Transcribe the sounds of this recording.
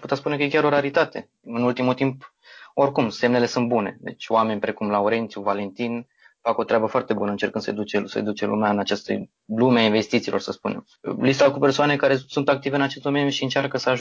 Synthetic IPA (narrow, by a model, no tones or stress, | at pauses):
put̪atspune̞kəjekʲaɾo̞ɾaɾit̪at̪e̞ | ɨnult̪imult̪imp | o̞rkumse̞mne̞le̞sunt̪̚bune̞̰d̪e̞̰t͡ʃʲowame̞nʲpɾe̞kumlaoɾe̞nt̪sʲjuvale̞nt̪in | fako̞t̪ɾeabəfoart̪e̞bunəɨnt͡ʃe̞rkɨnsəjḛd̪ut͡ʃesə̰jḛd̪ut͡ʃelṵmeaɨnat͡ʃast̪ə̰ | lumeainve̞st̪it̪siːlo̞̰rsəspunem | list̪akupe̞rsoanekaɾe̞sunt̪ak̚t̪iveɨnat͡ʃe̞st̪d̪omenʲjuʃiɨnt͡ʃarkəsəaʒ